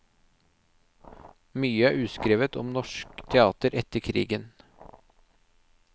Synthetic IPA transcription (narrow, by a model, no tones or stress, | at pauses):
myːəæːʔʉːskɾeːʋət̪ɔ̰mnɔʃkt̪ʰɛɑːt̪əɾʔɛt̪əkʰɾḭːɡən